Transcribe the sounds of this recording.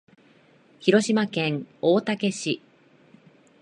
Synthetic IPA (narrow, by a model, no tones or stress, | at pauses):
çiɾo̞ɕimakẽ̞ŋoːt̪ake̞ɕi